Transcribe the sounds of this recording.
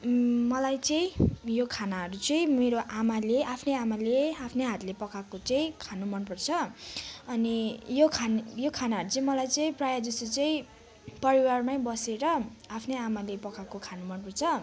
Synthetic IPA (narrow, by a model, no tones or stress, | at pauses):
mʌlajt͡sʌĩjokʰanaɦʌɾut͡sʌĩmeɾoʔamaleʔapʰneamaleapʰneɦat̪lepʌkakot͡sʌĩkʰanumʌnpʌrt͡sʰʌ | ʌnijokʰanjokʰanaɦʌɾut͡sʌĩmʌlajt͡sʌĩprajad͡zʌst̪ot͡sʌĩ | pʌɾiwarmaj̃bʌseɾʌapʰneamalepʌkakokʰanumʌnpʌrt͡sʰʌ